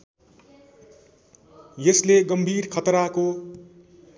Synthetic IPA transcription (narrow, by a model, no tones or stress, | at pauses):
jesleɡʌmbʱiːɾkʰʌt̪ɾako